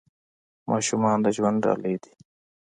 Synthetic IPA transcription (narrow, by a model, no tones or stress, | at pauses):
maːʃumaːnd̪ɐʒwɐɳɖɾa̰ːleːd̪i̥